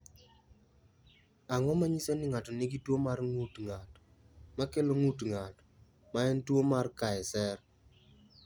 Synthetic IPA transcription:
aŋɔmaɲisenɪŋatɔnɪɡitwomarŋutŋat | makeloŋutŋat | maɛntwomarkaɛsɛr

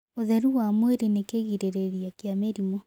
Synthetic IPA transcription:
oðɛɾuwamweɾenekeɣiɾeɾeɾijakjameɾimɔ

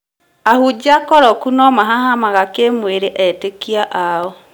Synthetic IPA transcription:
ahud͡ʒakɔɾɔkunɔmaɦahamaɣakemweɾeʔɛtekiaʔaɔ

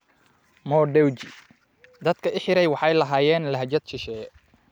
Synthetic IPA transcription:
mɔːɖɛwt͡ʃɪ | d̪ɐd̪̚kʰɐʔɪħɪɾɛjwɑħɑjlɐɦaːjɛːnlɐɦd͡ʒɐd̪ʃɪʃɛː

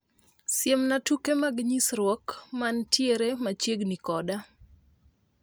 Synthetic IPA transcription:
sjemnatukemaɡɲisɾwɔkmantjeɾemat͡ʃjeɡnikɔda

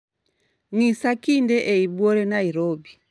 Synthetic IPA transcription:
ŋisakindɛʔɛibwɔɾɛnaiɾɔbi

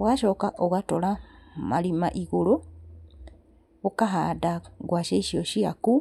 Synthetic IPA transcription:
βwaʃo̞ːkaʔoɣatolamalima̰ʔiɣulo | βukaɦadaɡwaːʃeiʃioʃiaku

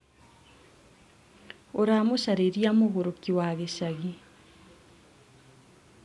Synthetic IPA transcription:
oɾamoʃaɾeɾjamoɣoɾokiwaɣeʃaɣi

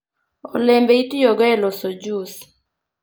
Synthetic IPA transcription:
o̰lembeitijoɡɔɛlɔsod͡ʒus

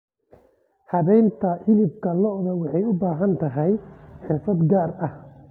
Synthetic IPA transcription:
hɐβɛjnt̪ʰɐʔɪlɪb̚kʰɐlɔðɐwɑħɑjʊbaːɦɐnt̪ʰɐɦɛjħɪrfɐd̪ɡaːrɐh

